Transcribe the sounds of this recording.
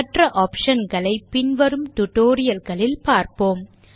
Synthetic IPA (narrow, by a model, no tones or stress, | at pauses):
ʈrɐʔoːpʂɐnɡɐɭɐɪpːɪnʋɐɾɯmt̪ʊʈːoːɾɪjɐlɣɐɭɪlpaːɾpoːm